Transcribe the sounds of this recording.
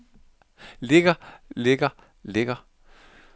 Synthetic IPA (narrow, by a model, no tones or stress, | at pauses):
le̝ɡ̥ɐleɡ̥ɐ | leɡ̥ɐ